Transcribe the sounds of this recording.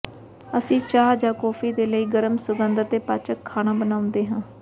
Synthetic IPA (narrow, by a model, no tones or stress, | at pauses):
əsĩːt͡ʃaːd͡ʒaːkɔːfiːd̪eːləiːɡəɾəmsʊɡənd̪ət̪ːeːpaːt͡ʃəkʰːaːnaːbənaːʊ̃nd̪eːɦãː